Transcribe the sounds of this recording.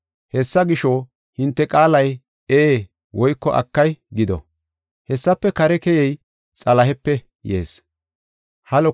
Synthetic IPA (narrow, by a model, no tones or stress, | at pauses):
hɛsːɐɡɪʃo | hɪnt̪ːɛkʼaːlɐj | eː | wɔjkːɔʔɐ̰kːɐjɡɪd̪ɔ̰ | hɛsːɐpːɛkɐɾɛkɛjɛj | t͡sʼɐlɐɦɛpːɛ | jḛːs | hɐlɔ